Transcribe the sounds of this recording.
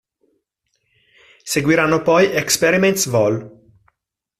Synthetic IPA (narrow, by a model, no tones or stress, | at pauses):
seɡwiɾanːopɔjekspeɾiment̪svɔl